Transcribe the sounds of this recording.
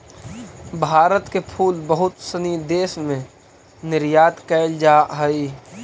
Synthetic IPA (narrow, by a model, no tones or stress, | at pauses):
bʱaːɾət̪kepʰuːlbəɦʊt̪sənid̪eːsmẽ | nɪɾjaːt̪kɛld͡ʒaɦəi